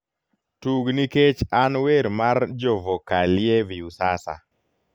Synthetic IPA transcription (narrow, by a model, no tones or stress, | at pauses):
tuɡniket͡ʃanweɾmard͡ʒovokalɪeviusasa̰